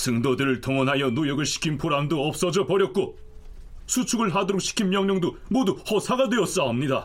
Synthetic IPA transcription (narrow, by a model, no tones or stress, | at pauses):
sɯŋdodɯɾɯɭtʰʌŋʌnɦajʌnojʌɡɯɭɕʰi̥kʰinpʰoɾandoʌp̚s͈ʌd͡ʑʌpʌɾjʌt̚k͈o | sʰut͡ɕʰuɡɯɭɦadʌɾok̚ɕ͈ʰi̥kʰinmjʌŋɲʌŋdomoduhʌsʰaɡadwe̞ʌs͈ʌɦamɲida